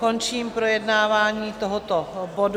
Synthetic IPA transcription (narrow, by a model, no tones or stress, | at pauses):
kont͡ʃiːmpɾojɛdnaːvaːɲiːt̪oɦot̪obod